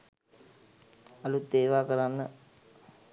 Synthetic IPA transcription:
alut̪ːeːʋaːkəɾanːə

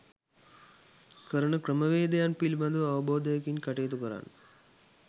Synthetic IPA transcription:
kəɾɐɳəkɾəmɐʋeːd̪ejanpilbɐnd̪uʋɐʋɐboːd̪ɐjɐkinkɐʈeːt̪ukəɾa̰nː

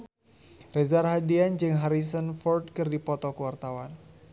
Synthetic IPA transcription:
rɛzarɦadiand͡ʒɨŋɦaɾis̬ənfɔrdkɨrdipɔt̪ɔkəwart̪awan

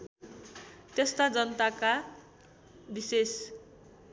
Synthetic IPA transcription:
t̪est̪ad͡zʌnt̪aka | bises

